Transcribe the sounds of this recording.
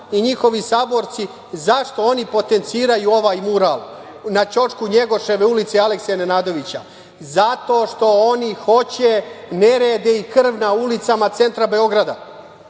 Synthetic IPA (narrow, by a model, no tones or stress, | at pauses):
iɲixo̞ʋisaːbo̞ɾt̪si | zaʂt̪o̞o̞nipo̞t̪e̞nt̪siːɾajuo̞ʋaːjmuɾaːlˠ | nat͡ɕo̞t͡ʃkuɲe̞ɡo̞ʃe̞ʋe̞ulit̪sealeksenenaːd̪o̞ʋit͡ɕa | zat̪o̞ːʃt̪o̞o̞nixo̞t͡ɕene̞ɾeːd̪eikr̩ʋnaulit̪samat̪se̞nt̪ɾabe̞o̞ɡɾad̪a